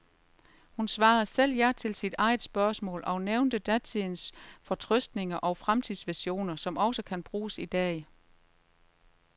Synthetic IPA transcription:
hunsʋɑ̈ːð̩ˠsel̰jæɐt͡sʰe̝lsid̥ɑ̈ɪð̩ˠsb̥ɶɐsmɔ̰̽ːlʔɒ̽neʊnd̥əd̥æt͡sʰinsfɒ̽t͡sʰʁœsd̥ne̝ŋɐʔɒ̽fʁamt͡sʰiðˠsʋiɕo̝̰ːnɐsɒ̽mɒ̽səkʰænb̥ʁuːsid̥ɛ̰ː

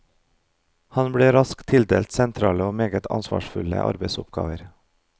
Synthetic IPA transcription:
hɑnbɽeːɾɑskt̪ʰɪld̪eːlt̪sɛnt̪ʰɾɑːləoːmeːɡət̪ʰɑ̰nsʋɑ̰ːʃfʉlə̰ʔɑ̰ɾbəɪsʊpɡɑ̰ːʋəɾ

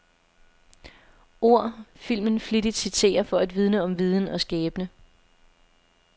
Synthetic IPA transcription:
ʔo̝ɐ̰fil̰mən̩flid̥id̥sit͡sʰe̝̰ːɐfɒ̽æd̥ʋið̞ˠnəɒ̽mʋið̞ˠn̩ɒ̽sɡ̥ɛːb̥ənə

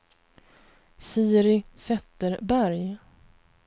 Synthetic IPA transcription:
siːɾɪsɛt̪ːəɾbæɾj

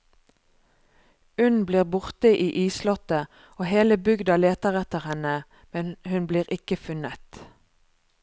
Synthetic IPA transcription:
ʉnbliːʁbʊʁt̪əʔiːʔiːslɔt̪ə | oːheːləbʏɡd̪ɑleːt̪əʁɛt̪əʁhɛnə | mɛnhʉnbliːʁɪkəfʉnət̪

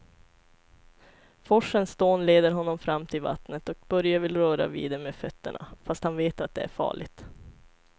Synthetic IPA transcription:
fɔʂːənsd̪oːnleːd̪əɾɦɔnːɔmfɾamːt̪ʰɪlva̰t̪nət̪ɔk̚bœɾjavɪlɾœːɾa̰vḭːd̪ɛmeːfœt̪ʰːə̰ɳa̰fast̪hanveːt̪at̪̚d̪ɛæ̰ɾfɑ̰ːɭɪ̰ɡt̪

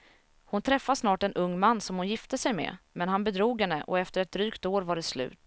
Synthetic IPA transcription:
hʊnt̪ʰɾɛfːasnɑːʈɛnʔɵŋːmanːsɔmhʊnjɪft̪əsɛjmɛ̰mɛnɦanbɛd̪ɾuːɡhɛnːəʔɔɛft̪əɾɛt̪̚d̪ɾyːkt̪oːɾvaɖɛslʉ̟̰ːt̪

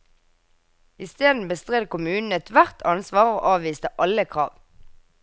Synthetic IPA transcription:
ɪst̪eːd̪n̩bəst̪ʁɛd̪kʊmʉːnn̩ɛt̪ʰʋæʁt̪ʰɑnsʋɑːʁoːʔɑːʋʋiːst̪əʔɑləkʰʁɑ̰ːʋ

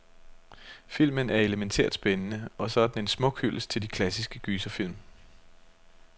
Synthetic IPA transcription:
fil̰mənæɐe̝ləment͡sʰḛɐ̰d̥sb̥enənəɒ̽sɒ̽d̥n̩e̝nsmɔ̽ɡ̥hyl̰st͡sʰe̝ld̥ikʰlæsisɡ̥əɡ̥yːsɐfil̰m

